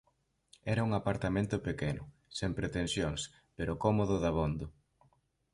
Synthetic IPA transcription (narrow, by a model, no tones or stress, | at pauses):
ɛɾɐuŋapaɾt̪amẽnt̪ʊpekɛnʊ | sempɾet̪ensjoŋs | peɾʊkɔmoðʊðaβond̪ʊ